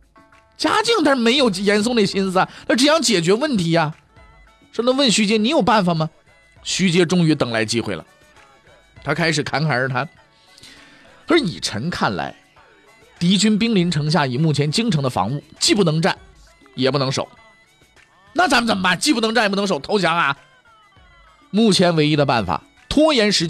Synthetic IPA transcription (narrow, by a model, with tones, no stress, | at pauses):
t͡ɕja̰˥t͡ɕi˥˩˧ŋt̪a˥˧ʂɻ̩˥˩me˧˥ɪjo˨˩ʊjɛ˧˥ns̬o˥˧ŋn˥˩ɡɕi˥nsɹ̩˧a˨˧˩na˥˩ʈ͡ʂjɑ˥˩ŋt͡ɕjɛ˨˩t͡ɕɥɛ˧˥wə˥˩nt̪ʰi˧˥ɐ˧ | ʂɤ˧˥nɤ˧˥ŋwə˥˩nɕy˧˥t͡ɕjɛ˥ni˧˥jo˨˩ʊpa˥˩nfa˨˩mɐ˩ | ɕy˧˥t͡ɕjɛ˥ʈ͡ʂʊ˥ŋy˧˥t̪ɤ˨˩ŋla˧˥ɪt͡ɕi˥xwe˥˩ɪlə̰˩ | t̪ʰa˥kʰa˥ɪʂɻ̩˨˩kʰa˧˥nkʰa˨˩ə˞˧˥t̪ʰa˥n | ə˞˧˥nḭ˨˩ʈ͡ʂʰə˧˥ŋkʰa̰˥˩nla̰˧˥ɪ | t̪i˧˥t͡ɕy˥np̬i˥ŋli˧˥nʈ͡ʂʰɤ˧˥ŋɕ̬ja˥˩i˨˩mu˥˩t͡ɕʰjɛ˧˥nt͡ɕi˥ŋʈ͡ʂʰɤ˧˥ŋd̪ə˧fɑ̰˧˥ŋu˥˩t͡ɕi˥˧p̬u˥˩nɤ˧˥ŋʈ͡ʂa̰˥˩n | jɛ˨˩pu˥˩nɤ˧˥ŋʂo̰˨˩˦ʊ | na˥˩t͡sa˧˥mə˧nt͡sə˨˩m˧˦pa˥˩nt͡ɕi˥˩p̬u˥˩n˧˥ŋʈ͡ʂa˥˩˨p̬̪ʂo˨˩ʊt̪ʰo˧˥ʊɕ̬ja˧˥ŋa˧ | mu˥˩t͡ɕʰjɛ˧˥nwe˧ɪi˥d̪ə˧pa̰˥˩nfa̰˨˩ | t̪ʰwɔ˥jɛ˧˥nʂɻ̩˧˥t͡ɕ